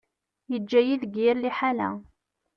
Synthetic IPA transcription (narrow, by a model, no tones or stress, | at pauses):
jəd͡ʒːæjiðɡiɾliħalæ̰